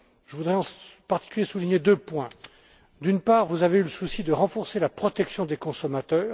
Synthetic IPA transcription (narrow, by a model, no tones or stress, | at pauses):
ʒəvud̪ʁɛɑ̃paʁt̪i̥kʲyljesuliɲed̪øpwɛ̃ | d̪ynpaːʁvuzaveyləsusid̪əʁɑ̃fɔʁselapχɔt̪ɛksjɔ̃d̪ekɔ̃sɔmat̪œːʁ